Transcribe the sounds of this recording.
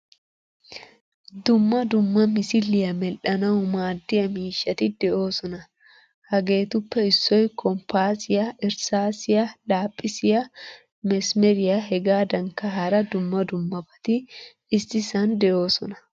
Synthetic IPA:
d̪ʊmːɐd̪ʊmːɐmɪsɪlːɪjɐmɛlʔɐnɐʊmaːd̪ːɪɐmiːʃːɐt̪ɪd̪ɛʔo̞ːsɔnɐ | hɐɡeːt̪ʊpːɛɪsːɔjkɔmpaːsɪjɐɪɾsaːsɪjɐlaːpʼːɪsɪjɐ | mɛsmɛɾɪjaɦɛɡaːd̪ɐŋkɐɦɐɾɐd̪ʊmːɐd̪ʊmːɐbɐ̥t̪ɪ | ɪsɪsɐnd̪ɛʔo̞ːsɔnɐ̥

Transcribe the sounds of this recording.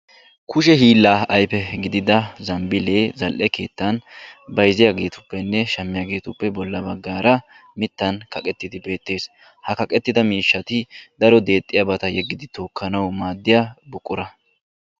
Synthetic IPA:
kʊʃɛɦiːlːaːɐjpɛɡɪd̪ɪd̪ɐzɐmbɪle̞ːzɐlʔɛke̞ːt̪ːɐnbɐjzɪjaɡe̞ːt̪ʊ̥pːɛnːɛʃɐmːɪjaɡe̞ːt̪ʊpːɛbɔlːɐbɐɡːaːɾɐ | mɪt̪ːɐnkɐkʼɛt̪ːɪd̪ɪbe̞ːt̪ːe̞ːs | hɐkɐkʼɛt̪ːɪd̪ɐmiːʃːɐt̪ɪd̪̥ɐɾɔd̪e̞ːt̪ʼːɪjɐbɐt̪ɐjɛɡːɪd̪ɪt̪oːkʰːɐnɐwmaːd̪ːɪjaːbʊkʼːʊɾɐ

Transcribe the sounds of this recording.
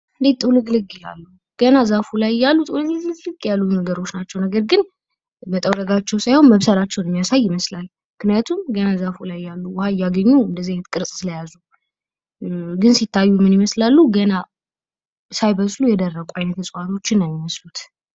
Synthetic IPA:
ɨnd̪et̪ʼulɨɡlɨɡʼɪja̰lːu | ɡ̥ənazafulajjalːut̪ʼulɨɡlɨlɨɡlɨɡɪjalːujnəɡəɾo̞t͡ʃːnat͡ʃːɛwnəɡəɾɡɨn | mət̪ʼəwɾəɡat͡ʃːɛwsajho̞nməβsəlat͡ʃːɛwnəmːijasajːɪməslal | mɨknijat̪ʰumɡənazafulajːalːuwɔhajːaɡəɲːuɨnd̪əziajnət̪kʼɨɾsʼsɨləjazu | ɡɨnsit̪ʰːajːumːɨnɪməslalːuɡəna | sajbəsʼlujɛd̪ərːəɡʷʼʔajnət̪ʰəsʼwat̪ʰo̞t͡ʃːɪnːajɪməslut̪

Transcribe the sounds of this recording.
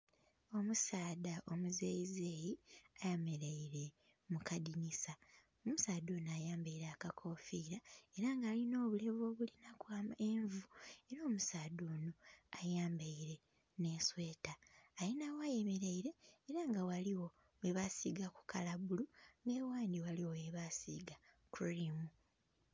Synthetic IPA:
o̞musaːdaʔo̞muzeizejiajame̞ɾeiɾe̞ | mukadiɲisa | omusaːd̪oːnajaːmbaiɾakakʰo̞ːfiːɾae̞ɾaŋɡaːlino̞ːβule̞vo̞ːβulinakwaːmeɱvue̞ɾoːmusaːdoːnoajaːmbaiɾe̞ | ne̞ːswe̞ːtaːjinawajeme̞ɾeiɾe̞ːɾaŋɡawaliwo̞ | weβasiɡaku̥kalaβuluŋɡewaːndiwaliwoweβasiːɡa | kʰulimu

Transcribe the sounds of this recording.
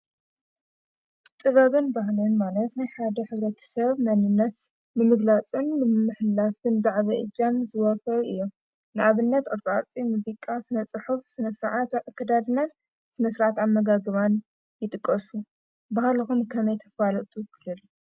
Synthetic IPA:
t̪ʼɨβɐβɨnbahlɨnmalɐt̪najħad̪ɐħɨβɾɐt̪ʰɐ̥sɐβmɐnɨnːɐt̪ | mɨmɨɡlat͡sʼɨnmɨmːɨħlafɨnzaʕβɐʔɨ̰d͡ʒanzɨwɔfɐlʔɨ̰jːo | nɨʔaβɨnːɐt̪ɐɾt͡sʼat͡sʼimuzikʼasɨnɐt͡sʼɨħufsɨnɐsɨɾʕat̪kʰːɐd̪ad̪ɨnan | sɨnɐsɨɾʕat̪amːɐɡaɡɨβan | jɪt̪ʼɨkʼːɐsu | bahlɨxumkʰɐmɐjt̪ʰɐ̥falɐt̪ʼukʰɨlɨlu

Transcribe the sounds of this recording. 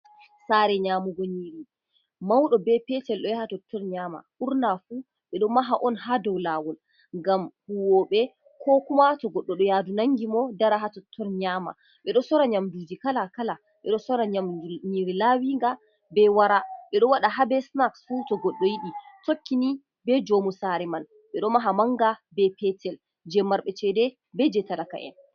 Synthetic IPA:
saɾɛɲaːmuɡɔɲiːɾi | mawɗɔbɛpɛtɛlɗɔjahatɔtʰːɔɾɲama̰ʔuɾnafu | ɓɛɗɔmaɦaʔɔnɦadɔwlawɔl | ŋɡamhuwɔɓɛ | kʰɔkumatɔɡɔɗːɔɗɔjaːdunaŋɡimɔdaɾaɦatɔtʰːɔɾɲama̰ | ɓɛɗɔsɔɾaɲamdud͡ʒikalakala | ɓɛɗɔsɔɾaɲamɲiɾilawiŋɡa | bɛwaɾaɓɛɗɔwaɗaɦabɛsnaksfutɔɡɔɗːɔjiɗitokːini | bɛd͡ʒomusaɾɛman | ɓɛɗɔmaɦamaŋɡabɛpʰɛtʰɛl | d͡ʒɛmːaɾɓɛt͡ʃɛdɛ | bɛd͡ʒɛtalaka̰ʔɛ̰n

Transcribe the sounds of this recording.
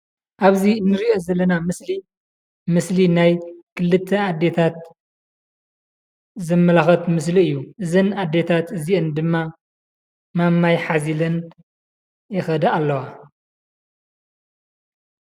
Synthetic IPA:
ʔaβzinːɨɾiʔo̞zɐlːɐnamɨsli | mɨslinajkʰɨlːɨt̪ʰːɐad̪ːe̞t̪ʰat̪̚ | zɐmːɐlaxɐt̪mɨsliɨjːuʔɨzɨnad̪e̞t̪ʰat̪ɨziʔɨnd̪ɨmːa | mamːajħazilɐn | jɪxɐd̪ɐalːɐwa

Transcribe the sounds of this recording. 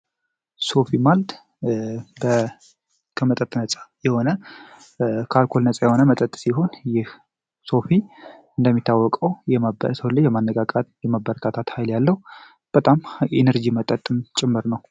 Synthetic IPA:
so̞fimald̪ | bə | kʰəmət̪ʼət̪ʼnət͡sʼḁjɛho̞nə | kʰalkʰo̞lnət͡sʼajɛho̞nəmət̪ʼət̪ʼːsiɦo̞njɪh | so̞fiɨnd̪əmːit̪ʰːawːɔkʼəwjɛmabə̰səwlːəd͡ʒɛmanːəɡʼakʼat̪jɛmabːəɾət̪ʰat̪ʰat̪hajljalːəhu | b̥ət̪ʼamenəɾd͡ʒimət̪ʼət̪ʼːɨmt͡ʃʼɪmːɨɾnəw

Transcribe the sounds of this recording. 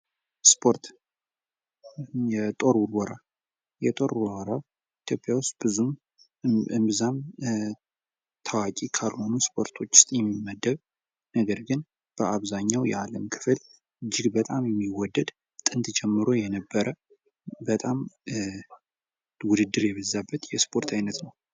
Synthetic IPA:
spʰoɾt̪ | jɛt̪ʼo̞ɾwʊɾwɔɾa | jɛt̪ʼo̞ɾwɾa | it̪ʰjopʼjawʊst̪bɨzum | ɨmbzam | t̪ʰawakʼikʰalho̞nuspʰo̞ɾt̪ʰo̞t͡ʃːɪ̥st̪ʼjɛmːimːəd̪ːəβ | nəɡəɾɡɨn | b̥əaβzaɲːawjɛ̰aləmkʰɨ̥fl | ɨd͡ʒːɪɡbət̪ʼamjɛmːiwɔd̪ːəd̪ | t̪ʼɨnt̪d͡ʒɛmːɨɾo̞jɛnəbːəɾə | bət̪ʼam | wʊd̪ɨd̪ːɨɾjɛβəzːabːət̪jɛspʰʼo̞ɾt̪ʰajnət̪nəw

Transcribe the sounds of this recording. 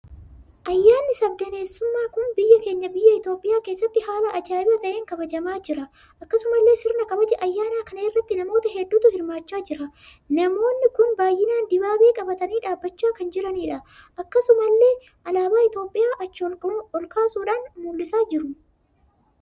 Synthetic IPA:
ʔɐjːaːnːɪsɐb̚d̪ɐne̞ːsːʊmːaːkʊnbɪjːɐke̞ːɲːɐbɪjːɐɪt̪o̞ːpʼɪjaːke̞ːsːɐt̪ːɪhaːlɐʔɐd͡ʒaːɪɐt̪ɐʔeːŋkɐbɐd͡ʒɐmaːd͡ʒɪɾɐ | ʔɐkːɐsʊmɐlːe̞ːsɪɾnɐkɐbɐd͡ʒɛʔɐjːaːnaːkɐnɐːrːɐt̪ːɪnɐmo̞ːt̪ɐɦɛd̪ːuːt̪ʊhɪɾmaːt͡ʃːaːd͡ʒɪɾɐ | nɐmo̞ːnːɪkʊnbaːjːɪnaːnd̪ɪbaːbeːkʼɐbɐt̪ɐniːᶑaːbːɐt͡ʃːaːkɐnd͡ʒɪɾɐniːᶑɐʔɐkːɐsʊmɐlːe̞ː | ʔɐlaːbaːɪt̪o̞ːpʼːɪjaːʔɐt͡ʃːɔlkaːsuːᶑaːnmuːlːɪsaːd͡ʒɪɾʊ

